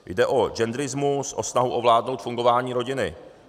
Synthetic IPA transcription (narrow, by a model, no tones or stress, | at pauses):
jdɛʔo̞d͡ʒɛnd̪ɾɪzmusʔo̞snaɦuʔovlaːdno̞wt̪fuŋɡo̞vaːɲiːɾo̞ɟɪnɪ